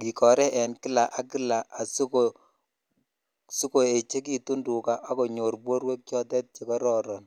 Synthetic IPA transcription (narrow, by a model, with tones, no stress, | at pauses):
ki˨kɔ˨ɾɛ˦ʔɛ˨nki˦la˨ʔa˨ki˦la˨a˨sko | su˦ko˨e˨t͡ʃe˦k̬i˨tu˦ndu˨ka˨ʔa˦kɔ˨ɲo˨ɾbwo˦ɾwe˦k̚t͡ʃɔ˦tɛ˦t̚t͡ʃe˨kɔ˦ɾɔɾɔ˨n